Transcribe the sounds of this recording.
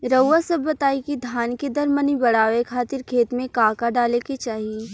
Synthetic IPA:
ɾɐʋasɐbːɐt̪aːikid̪ʱaːnked̪ɐɾmənibɐɽaːʋekʰaːt̪ɪɾkʰeːt̪mẽkaːkaɖaːleket͡ʃaːɦie

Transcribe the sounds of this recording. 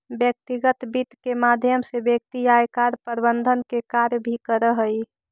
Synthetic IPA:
bjək̚t̪iɡət̪bit̪kemad̪ʱjəmsebjək̚t̪ijaekaɾpəɾbənd̪ʱənkekaɾjbʱikəɾəɦəi

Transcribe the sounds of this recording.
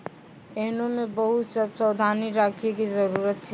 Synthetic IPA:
eːnõmẽbɐɦʊt̪səpsəwd̪ʱaːniɾaːkʰekizɐɾuːɾət̪t͡ʃʰɛ

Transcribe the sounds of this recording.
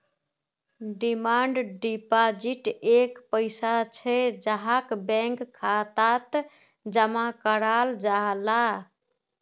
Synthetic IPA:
ɖimaɳɖɖipad͡ʒiʈekpəɪsat͡ʃʰɛd͡ʒaɦakbɛ̃ŋkʰːat̪at̪ | d͡ʒəmakəɾald͡ʒaɦla

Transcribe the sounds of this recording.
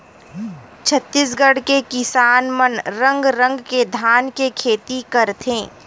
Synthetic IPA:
t͡ʃʰət̪ːis̬ɡəɽ̤kekɪsaːnmənɾə̃ŋɡɾə̃ŋɡked̪ʱaːnkekʰeːt̪ikɐɾt̪ʰẽː

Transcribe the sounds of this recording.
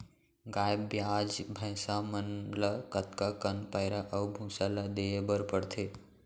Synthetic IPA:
ɡajbːjad͡ʒbʱə̃ɪ̃samənləkət̪kakənpaɪɾaʔəwbʱũsalad̪eebəɾpəɽt̪ʰe

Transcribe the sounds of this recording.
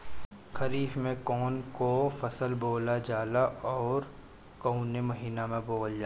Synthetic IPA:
kɐɾiːfmẽkɔːnkofɐsəlboːlad͡ʒaːlaʔɔːɾ | kɔʊnemɐɦiːnamẽboːld͡ʒaː

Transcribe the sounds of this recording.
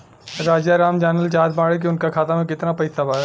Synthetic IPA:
ɾaːd͡ʒjaɾaːmd͡ʒaːnəlt͡ʃaːd̪baːɽek̬iʊnkakʰaːt̪amẽkɪt̪napɐɪsabaːɦɛ

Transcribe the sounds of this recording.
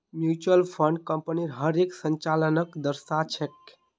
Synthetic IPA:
mjut͡ʃuəlpʰəɳɖkə̃mpəniɾɦəɾeksəɲt͡ʃalənəkd̪əɾsat͡ʃʰek

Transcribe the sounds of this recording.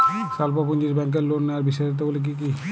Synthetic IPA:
salpɔpund͡ʑiɾbɛŋk̬eɾlonnːeaɾbiʃɔt̪̬ebolek̬ik̬i

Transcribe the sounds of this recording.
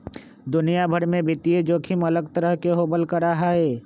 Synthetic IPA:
d̪ʊnijabʱəɾmẽbɪt̪ied͡ʒoːkʰimələɡt̪əɾəɦkeɦoːbəlkəɾaɦaːeː

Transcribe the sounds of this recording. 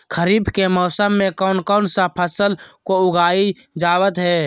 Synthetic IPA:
kʰəɾiːbʱkemɔːsəmːẽkɔːnkɔːnsapʰəsəlkoʊɡaːi | d͡ʒaːwət̪ɦɛː

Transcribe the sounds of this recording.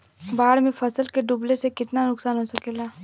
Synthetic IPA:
baːɽmẽfɐsəlkeɖʊblesekɪt̪nanʊksaːnɦoːsɐkeːlaː

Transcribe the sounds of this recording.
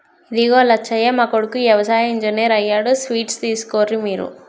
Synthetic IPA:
id̪iɡoːlɐt͡ʃːɐjeːmaːkoɽukujɛʋɐsaːjɐiɲd͡ʒɐneːɾɐjːaːɽusʋiːʈst̪iːsu̥koːɾimiːɾṵ

